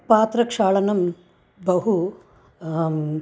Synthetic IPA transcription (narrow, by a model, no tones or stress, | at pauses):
paːt̪ɾɐkʂaːɭɐnɐm | bɐɦu